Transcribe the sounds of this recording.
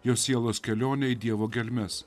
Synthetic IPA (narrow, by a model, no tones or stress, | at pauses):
joːsʲiɛlˠoːskʲɛlʲoːnʲɛɪd̪ʲiɛʋoːɡʲɛlʲmʲɛs